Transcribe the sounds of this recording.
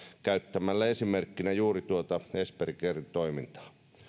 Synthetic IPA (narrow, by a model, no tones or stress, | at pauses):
kæyt̪ːæmælːæesimerkːinæjuːrit̪uot̪ɑesperikerint̪oimint̪ɑ̥ː